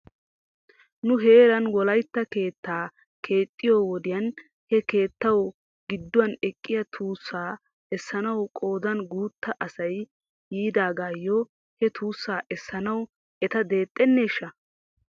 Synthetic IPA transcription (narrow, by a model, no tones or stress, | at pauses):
nʊɦe̞ːɾɐnwɔlɐjt̪ːɐke̞ːt̪ːaː | kʰe̞ːt̪ʼːɪjoːwɔd̪ɪjɐn | hɛke̞ːt̪ːɐw | ɡɪd̪ːʊwɐnɛkʼːɪjɐt̪ʰuːsːaː | ɛsːɐnɐwkʼo̞ːd̪ɐnɡuːt̪ːɐʔɐsɐj | jiːd̪aːɡaːjːɔ | hɛt̪uːsːaːʔɛsːɐnɐw | ɛt̪ɐd̪e̞ːt̪ʼːɛnːe̞ːʃːɐ